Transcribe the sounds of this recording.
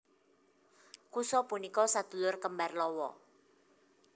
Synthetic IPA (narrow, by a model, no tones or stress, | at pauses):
kusɔpunikɔsad̪̥ṳlʊrkəmbarlɔwɔ̰